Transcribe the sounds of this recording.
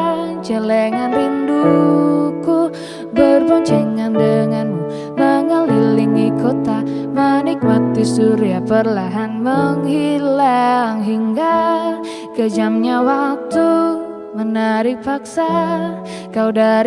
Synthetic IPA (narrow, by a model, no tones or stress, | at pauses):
t͡ʃəlɛŋanrindu | ku | bərpəɲt͡ʃɛŋandəŋan | maŋalɦilɪŋikot̪amanik̚mat̪isuɾiapərlaɦanməŋhilaŋɦiŋɡa | kəd͡ʒamɲawat̪u | mənaɾik̚paksa | kawdaɾ